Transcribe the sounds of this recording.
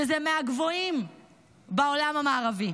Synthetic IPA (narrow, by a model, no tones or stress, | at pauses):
ezemeaɡvo̞im | baolamamaːʁavi